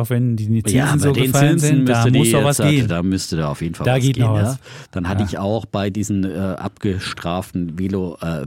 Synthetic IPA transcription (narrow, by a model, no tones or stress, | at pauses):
ʊxvɛndiːnjaːaoːdeəːnnfaɪlnzɪn̩msəmdʊsɔvasɡeːd̥aːmʏstədaːaʊfjeːdn̩faldaɡeːtɡ̥nɔːnaːsd̥anhatəɪçaʊxb̥aɪdiːzn̩ɛːʔa̰pɡ̥əʃtʁ̥aːftn̩veːloʔɛː